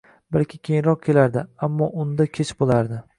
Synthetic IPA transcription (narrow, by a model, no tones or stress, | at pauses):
balkʲɪkʲʰejɪnɾɒq̚kʲʰe̞laɾd̪ɪamːɒʔʊnd̪akʲʰet͡ʃbolˠaɾd̪ɪ